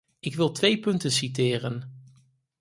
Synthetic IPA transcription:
ɪkʋɪlˠtʋejpɵntənsitɪːrən

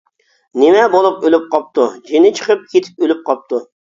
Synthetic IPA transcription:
nɪmɛbolˠupølyp̚qɑp̚t̪ud͡ʒinɪt͡ʃʰə̥qʰəp̚kʲʰet̪ʰɪ̥p̚ølyp̚qʰɑp̚t̪ʰu

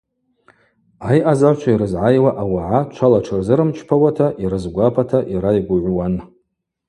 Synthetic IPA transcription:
ajʔazaʕʷt͡ʃʷʰaiɾɨzʕajwaʔawaʕat͡ʃʷʰalaʈ͡ʂʰɨrzɨɾɨmt͡ʃʰpʰawatʰaʔiɾɨzɡʷapʰatʰaʔiɾajɡʷʊʕʷwan

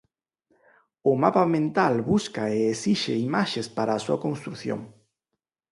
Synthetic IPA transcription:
ʊmapamẽnt̪alβuskaeesiʃeimaʃespaɾaːsuakonst̪ɾuθjo̰ŋ

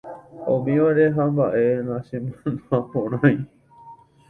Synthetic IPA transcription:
õ̰mĩʋaɾeɦambaʔe̞nãsẽmanapõɾ̃ãj̃

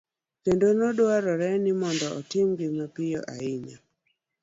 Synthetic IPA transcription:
kendonɔdwaɾɔɾɛnɪmɔndɔʔɔtɪmɡɪmapɪjɔʔaɪɲa

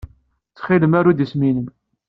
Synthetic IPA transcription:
t͡sːχiləmaɾud̪isminəm

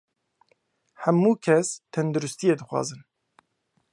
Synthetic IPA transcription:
hɛmːuːkʰɛst̪ʰɛnd̪uɾust̪ijeːd̪ɨxwɑ̰ːzɨn

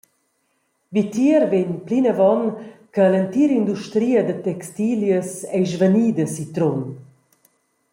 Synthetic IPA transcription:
vit̪iəɾveɲplinəvɔnkələnt̪iɾind̪uʃt̪ɾiːəd̪ət̪ɛkst̪iljəsɛjʒvəniːd̪əsit̪ɾon

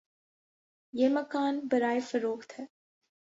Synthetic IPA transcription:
jeːmɐkaːnbɐɾaːefɐɾoːxt̪ɦɛː

